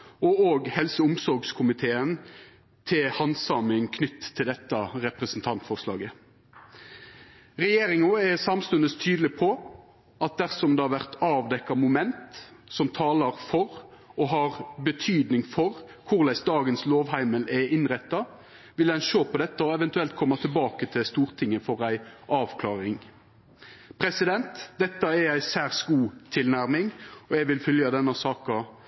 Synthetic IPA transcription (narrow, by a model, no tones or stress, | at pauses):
ɔoːɡhɛlsəʊmsɔɾɡskʰʊmɪt̪ʰeːən | t̪ʰɪlhɑnsɑmɪŋkʰnʏt̪ʰːɪld̪ɛt̪ːɑɾɛpʁəsnt̪ʰɑnt̪fɔʁslɑ̰ːɡə | ɾɛjeːɾɪŋɑɛsɑmst̪ʉnəst̪ʰyːd̪lɪpʰɔ | ɑt̪̚d̪æʁsɔmd̪ɛhɑɾʋæʁt̪ɑːʋd̪ɛkːɑmʊmɛnt̪sɔmt̪ʰɑːlɑɾfɔɾɔɦɑʁbət̪ʰyːd̪nɪŋfɔɾ | kʰʊʁlæɪsd̪ɑːɡənsloːʋɦæɪməlɛʔɪnɾɛt̪ːɑ | ʋɪld̪ɛnʃoːpʰɔd̪ɛt̪ːəɔɛʋɛnt̪ʉɛlt̪̚kʰɔmːɑt̪ʰɪlbɑːkət̪ʰɪlst̪uːɾt̪ʰɪŋːəfɔɾæɪʔɑːʋkʰlɑːɾɪŋ | pʰɾɛsɪd̪ɛnt̪d̪ɛt̪ːɑɛæɪsæːɾsɡuːt̪ʰɪlnæɾmɪŋɔɛʋɪlfœljɑd̪ɛnːɑsɑːkɑ